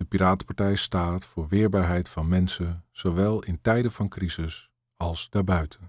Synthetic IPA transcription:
dəpiɾaːtpɑɹtɛjstaːtfʊːɹʋɪːɹbaːɹɦɛjtfɑnmɛnsənz̥owʋɛlˠɪntɛjdəvɑnkrizɪs | ɑlˠsdaːɹbœɥtʰən

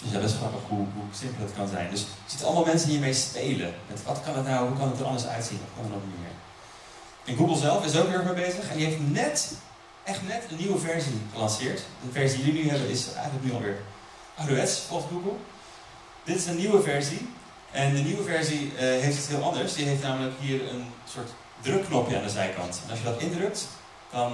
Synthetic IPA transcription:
dəsadɪsχrɑpəχɦuɦusɪmplˠətkɑnzɛ̰jndɵsɛzɪtəɑ̰lˠmɑlˠmɛnsənɦiːɹmejspejlə̰mɛ̰tʋɑtkɑnətnawɦukɑndətəɾʔɑ̰ndə˞sœ̰ɥtsḭnɔ̰fkɑndənonmɪ̰ːɹ | ʔɛnɡuɡəlˠzɛlˠfɪs̬owkʋɪːɹmebejzəχɛniɦejftnɛt | ʔɛχtnɛtənːiwəvɛɹziχəlɑnsɪːɹtdəvɛɹzidəlinyɦɛbənɪsɛ̰jχənləknyɑlˠʋɪːɹ | ʔaruɛtspɔtɡuɡəlˠ | d̥ɪtɪsənːiwəvɛɹzi | ʔɛndəniwəvɛɹziɦejftətsɦɪːlˠʔɑndəɹsdiɦejftnaːmələkɦiːɹə̰nsʊːɹt | drɵkːnɔpjəa̰ːndəzɛjkɑ̰ntɛ̰nɑʃjədɑtɪndrɵk̚t | d̥ɑn

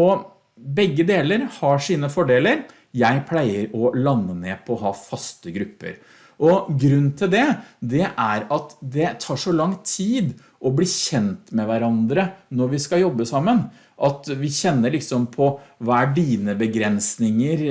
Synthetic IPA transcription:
ɔ | bɛɡːəd̪eːləɾhɑʂiːnəfɔɖeːləɾ | jæɪpʰlæɪəɾɔlɑnːəneːpʰɔɔɦɑːfɑst̪əɡɾʉpːə̰ɾ | ʔɔɡɾʉnːt̪ʰɪld̪ɛd̪ɛʔæɾɑt̪d̪ɛt̪ʰɑːʂɔlɑŋt̪ʰiːd̪ | ʔɔbliːçɛnt̪mɛʋæɾɑnd̪ɾənɔɾʋɪskɑjɔbːəsɑmːən | ʔɑt̪ʋɪçɛnːəɭɪksɔmpʰɔʋɑæɖiːnəbəɡɾɛnsnɪŋəɾ

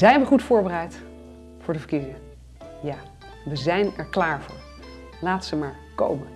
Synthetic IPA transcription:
zɛjnʋəχutfʊːɹbərɛjt | fʊːɹdəvəɹkizɪŋə | jaː | ʋəzɛjnɛɹklaːɹvʊ̰ːɹ | laːtəzəmaːɹ | ko̰wmən

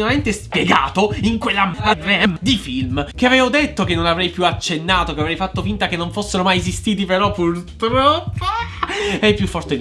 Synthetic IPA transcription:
olament̪espjeɡa̰ːt̪oiŋkwelːamad̪ɾeɛmd̪ifilmk̟eavɛːvod̪et̪ːokenːonavɾɛjpjuat͡ʃːenːaːt̪okeavɾɛjfat̪ːofint̪akenːoɱfosːeɾomajez̬ist̪iːt̪̬ipeɾɔpːurt̪ɾɔpːo | ɛpːjufːɔrt̪e

